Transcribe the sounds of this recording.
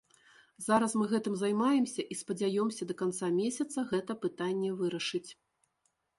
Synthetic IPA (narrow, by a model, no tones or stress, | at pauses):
zaɾɐsmɨɣɛt̪ɨmzajmajɛmsʲɐʔispɐd͡zʲajɔmsʲɐd̪ɐkant̪samʲesʲɐt̪sɐɣɛt̪ɐpɨt̪anʲːɛvɨɾɐʂɨt͡sʲ